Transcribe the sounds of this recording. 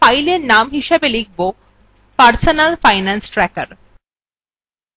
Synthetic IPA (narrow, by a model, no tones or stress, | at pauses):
fajleɾnamɦiʃebeliɡ̚ʰʱbo | paɾsonalfajnansʈɾɛkaɾ